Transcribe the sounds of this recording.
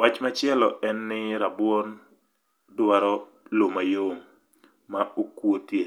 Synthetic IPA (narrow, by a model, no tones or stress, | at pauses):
wat͡ʃmat͡ʃɪɛlɔʔɛnːɪɾabwon | dwaɾɔ | lomajoŋː | aokwotje